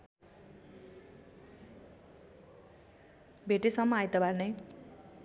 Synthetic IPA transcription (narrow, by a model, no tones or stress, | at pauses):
bʱeʈesʌmːʌajt̪ʌbarnʌj